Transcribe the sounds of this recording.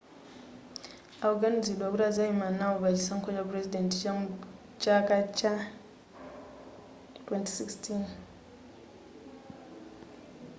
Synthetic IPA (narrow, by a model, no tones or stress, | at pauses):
aɡanizidwakuɾazajimanawoβad͡ʒisaŋkod͡ʒapɾezidẽnt | t͡ʃakat͡ʃa | twɛnti̥sikstʰin